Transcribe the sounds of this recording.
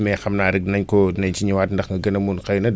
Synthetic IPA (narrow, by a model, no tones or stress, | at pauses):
mɛxɐmnaːɾiɡ̚nɐɲkɔnɐɲt͡ʃiɲiwaːtndɐxŋɡɐɡɐnɐmunkɐjnɐ